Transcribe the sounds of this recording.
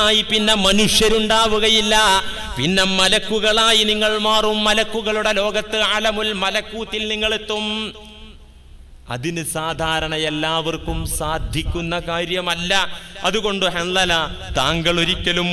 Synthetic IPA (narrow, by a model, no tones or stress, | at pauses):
aːjipinːe̞mɐnuʂjɐɾuɳɖaːʋuɣɐjilːɐ | pinːe̞mɐlɐkːuɣɐɭaːjiniŋːɐɭmaːrumːɐlɐkːuɣɐɭuɽelo̞ːɡɐt̪ːɨaːlɐmulmɐlɐkːuːt̪ːilniŋːɐɭet̪ːum | ɐ̰ðinɨsaːd̪ʱaːɾɐɳɐelːaːʋɐrkumsaːd̪ʱjikʲːunːɐkaːɾjɐmɐlːɐɐðuɣo̞ɳɖɨhɐnlːɐlɐt̪aːŋɡɐɭuɾikʲːɐlum